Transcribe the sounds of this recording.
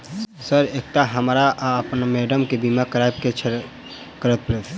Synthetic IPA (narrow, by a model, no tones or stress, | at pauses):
səɾek̚t̪aɦəmɾaʔəpnmeːɖəmkebimakəɾab̚ket͡ʃʰ | kəɾət̪̚pɾet̪